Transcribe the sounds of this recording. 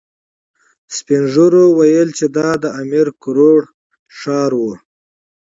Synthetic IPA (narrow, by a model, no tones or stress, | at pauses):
spinʐuɾowajəlt͡ʃed̪ɑd̪əamiɾkʊɾoɽ | ʂɑɾwu